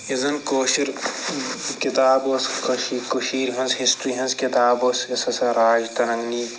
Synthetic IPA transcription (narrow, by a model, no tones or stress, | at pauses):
izɐnkoːʃiɾ | kit̪aːboːskɐʃikuʃiːɾɦɐnzhisʈɾiɦɐnzkit̪aːboːsɐsɐsɐɾaːd͡ʒt̪ɐnɐŋniː